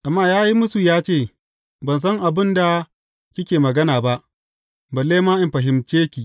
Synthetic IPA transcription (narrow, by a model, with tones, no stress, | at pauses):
ʔa˨mːaː˦˨jaː˦ji˦mʊ˦su˨jaː˦t͡ʃeː˦˨ | bɐ˨ns̬ɐ˦ŋʔa˨bɪ˦nda˨ | kʲɪ˦kʲeː˨mɐ˨ɡɐ˦naː˨ba˦ʔ | bɐ˨lːeː˦maː˦ʔɪ˨mɸɐ˨ɦɪ˦mt͡ʃeː˦kʲiː˨